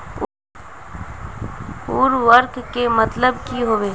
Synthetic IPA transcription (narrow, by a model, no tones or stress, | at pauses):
uːɾʋəɾkkemət̪ləbkiɦoːʋeː